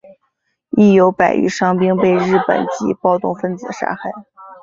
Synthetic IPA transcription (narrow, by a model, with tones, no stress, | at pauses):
i˥˩jo˧˥ʊpa˨˩ɪy̰˥ʂɑ˥ŋpi˥ŋpe˥˧ɪɻɻ̩˥˩pə̰˨˩nt͡ɕḭ˧˥pɑ˥˧ʊt̪ʊ˥˧ŋfə˥˧nt͡sɹ̩˨˩ʂa̰˥xa˥˩ɪ